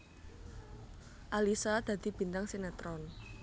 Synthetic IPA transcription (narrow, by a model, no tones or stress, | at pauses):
ʔalisad̪̥ä̤d̪̥i̤b̥i̤nt̪aŋsenat̪ɾɔn